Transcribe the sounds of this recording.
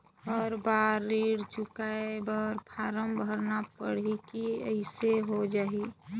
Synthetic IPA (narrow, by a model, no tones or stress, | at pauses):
ɔːɾbaɾːiːɽd͡ʒʊkaebəɾpʰaːɾəmbʱəɾnapəɽ̤ikiə̰ɪseɦod͡ʒaːi